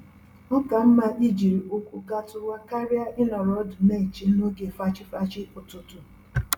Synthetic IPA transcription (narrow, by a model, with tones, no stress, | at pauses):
ʊ˦ka˨m̩˦ma˦ʔi˦d͡ʒi˨ɾi˨ʔo˦kʷu˨ɡa˦tʊ˦ɾʷwa˦ka˦ɾja˦ʔɪ˦nɔ˨ɾɔ˦dʊ˨ne˦i˨t͡ʃi˨˦no˦ɡe˨fa˦t͡ʃɪ˦fa˦t͡ʃɪ˦ʊ˨tʊ˨tʊ˨